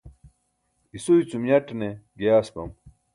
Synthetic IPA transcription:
isoit͡sumjɐʈneɡejaːspɐ̰m

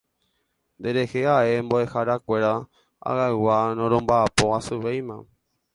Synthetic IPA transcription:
nd̪e̞ɾe̞heaʔe̞mboe̞haɾakʷe̞ɾa | a̰ɣawanõɾõmbaːpo̞asɨʋejmã

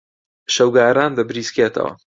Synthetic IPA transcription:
ʃɐwɡaːɾaːnd̪ɐbɾiːskeːt̪ʰɐ̰wɐ̰

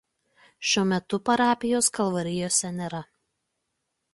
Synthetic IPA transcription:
ʃʲuɔmʲɛt̪ʊpɐɾɑːpʲɪjoːskɐlˠʋɐɾʲɪjoːsʲɛnʲeːɾɐ

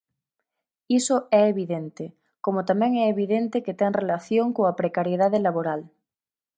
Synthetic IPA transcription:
isoɛeβiðent̪e | komot̪ameŋɛeβ̞iðent̪eket̪eŋrelaθjoŋkoŋapɾekaɾjeðaðelaβoɾal

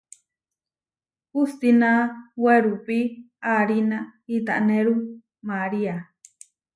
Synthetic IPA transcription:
pust̪inãweɾupi | aɾinãit̪a̰ʔnẽɾu | maɾia

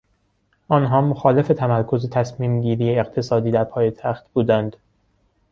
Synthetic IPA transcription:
ʔɒːnɦɒːmoxɒːle̞fe̞t̪ʰæmæɾkʰo̞zet̪ʰæsmiːmɟiːɾiːjeeqt̪ʰe̞sɒːd̪iːd̪æɾpʰɒːjet̪ʰæxt̪buːd̪ænd̪̥

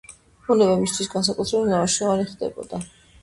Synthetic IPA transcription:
unɛvɛmist̪ʰwisɡans̬akʼut̪ʰɾɛbɛt̪navaʃɛaɾiχd̪ɛ̰bɔ̰d̪̥a

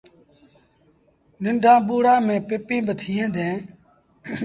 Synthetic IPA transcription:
nɪɳɖʱãːɓuːɽãːmẽːpɪpĩːbət̪ʰiːɦẽːd̪ẽː

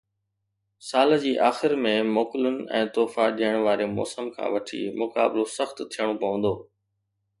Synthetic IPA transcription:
saːləd͡ʑiːʔaːxɪɾmẽmoːkɪlʊnɪ̆ɛ̰̃ːt̪oːfaɗiːəɽ̃ʋaːɾemɔ̰ːsəmkʰã̰ːʋɐʈʰḭːmʊka̰ːblosəxt̪t̪ʰijəɽ̃opɐʋə̃nd̪oː

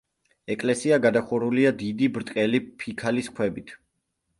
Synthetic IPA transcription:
ɛkʼlɛsiaɡad̪aχuɾuliad̪id̪ibɾt̪ʼqʼɛlipʰikʰaliskʰwɛbit̪ʰ

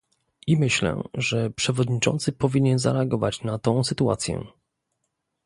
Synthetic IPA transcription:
ʔimɘɕlɛ̰ʐɛpʂɛvɔd̪ɲit͡ʂɔ̰nt̪sɘpɔvʲiɲɛnza̰ɾɛaɡɔvat͡ɕnat̪ɔ̃w̃sɘt̪ua̰t̪sʲjɛ̰

